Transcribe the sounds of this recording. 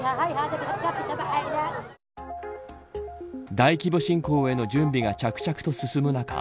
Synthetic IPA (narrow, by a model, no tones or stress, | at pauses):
aɦaiɦad̪abiɦakapisabaʔaid̪a | d̪aikʲibo̞ɕĩŋko̞ːe̞no̞d͡ʑɨ̃mbʲiɡat͡ɕakɯ̟̥t͡ɕakɯ̟t̪o̞sɨsɨmɯ̟naka̰